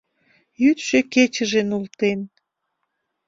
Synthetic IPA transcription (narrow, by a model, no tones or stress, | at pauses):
jyt̪ʃeket͡ɕəʒenult̪en